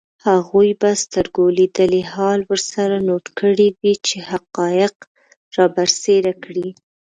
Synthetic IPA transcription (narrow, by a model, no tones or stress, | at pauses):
haɣujbast̪əɾɡoled̪əlehɑlwəɾsaɾanoʈkʰəɽiwit͡ʃehaqɑjɪq | ɾɑbaɾseɾakɽi